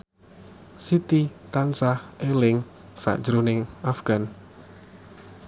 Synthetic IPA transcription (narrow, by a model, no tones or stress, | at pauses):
sit̪it̪ansahʔelɪŋ | sa̰ʔd͡ʒɾunɪŋafɡ̥an